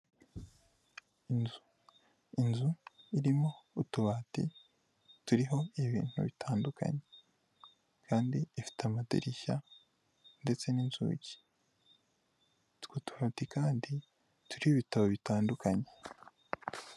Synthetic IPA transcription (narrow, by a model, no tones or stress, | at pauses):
nzu | inzuiɾimo̞utuβatḭ | tuɾiɦo̞iβḭːn̥hṵβitʰaːndukʰa̰ɲe | kʰaːndiifi̥tamatḛɾiça | nde̞t͡se̞ninzṵːɟi̥ | tkotuβaːtikaːndi | tuɾihoβitaβo̞βitaːndukʰaɲe